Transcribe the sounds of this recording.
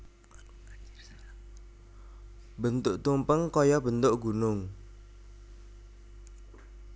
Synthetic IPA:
bənt̪ʊʔt̪umpəŋkɔjɔbənt̪ʊʔɡ̥unʊŋ

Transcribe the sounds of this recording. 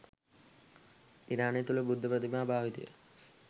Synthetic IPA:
iɾaːnet̪uləbud̪ʱːəpɾət̪imaːbʱaːʋit̪ḭjə̰

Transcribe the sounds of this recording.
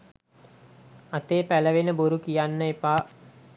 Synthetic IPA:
at̪eːpæləʋenəboɾukijanːəepaː

